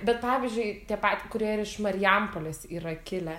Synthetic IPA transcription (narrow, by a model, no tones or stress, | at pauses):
bʲɛt̪̚pɑːʋʲizʲd͡ʒʲʊɪt̪ʲiɛpɑt̪ʲkʊɾʲiɛiɾɪʃmɐɾʲɪjɛmpoːlʲesiːɾɐkʲɪlʲɛ